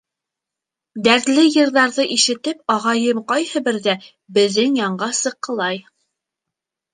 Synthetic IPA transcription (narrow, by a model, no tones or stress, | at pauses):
d̪æɾt̪lɘjɤ̆ɾðɑɾðɤʔiʃɘ̆t̪ɘp̚ɑʁɑjɤmqɑjhɤbɘ̆ɾðæ | bɘ̆ðɘŋjɑɴɢɑsɤ̆qːɤ̆lˠɑj